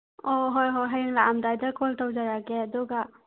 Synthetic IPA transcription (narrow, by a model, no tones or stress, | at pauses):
ɔɦɔjɦɔjɦajɯŋlaʔamdajdakɔltawd͡ʒaɾaɡedɔɡa